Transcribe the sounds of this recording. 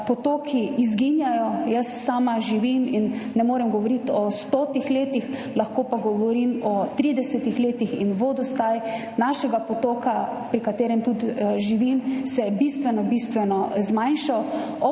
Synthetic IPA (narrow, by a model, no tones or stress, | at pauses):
pɔt̪oːkʰiːzɡinjajɔjəsːaːmaʒiʋiminːɛmoːɾɛmɡɔʋɔɾit̪ɔst̪oːt̪ixleːt̪ixlaxkoːpaɡɔʋɔɾimɔt̪ɾid̪ɛsɛt̪ixleːt̪ixinʋoːd̪ɔst̪aj | naʃɛɡapɔt̪oːkapɾikat̪eːɾɛmt̪ut̪ʒiʋimsɛbist̪ʋɛnɔbist̪ʋɛnɔzmajnʃaw | ɔ